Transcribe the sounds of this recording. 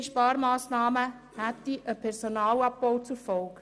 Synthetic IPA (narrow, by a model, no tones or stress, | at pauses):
ʃpɑːɾmɑːsnɑːmə | hæt̪iʔəpʰɛɾsonɑːlɑp̚b̥ɔwt͡sufɔlk